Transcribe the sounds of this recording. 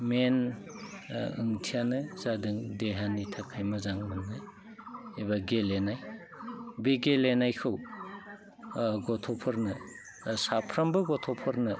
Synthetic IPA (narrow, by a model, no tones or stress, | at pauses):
men | ɯ̰ŋtʰijanɯzadɯŋdeɦanitʰakʰajmɐzaŋmɯnɯ | ebaɡelenaj | beɡelenajkʰɯw | ɡɔtʰɔpʰɯɾnɯ | sapʰɾambɯɡɔtʰɔpʰɯɾnɯ